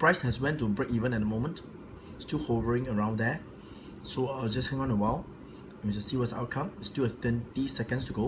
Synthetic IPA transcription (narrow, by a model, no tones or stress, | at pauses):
pɹaɪshɛswɛ̃ntubɹekivə̃nɛt̚dəmõmə̃nt | stilhovəɹɪ̃ŋəɹãʊ̃ndɛ | soad͡ʒashɛ̃ŋɔ̃nəwaɪl | wĩsusiːwɔtsa̰ʊt̚kʰãmɪtstuɛft̪ɛ̃ntisɛkə̃nstuɡo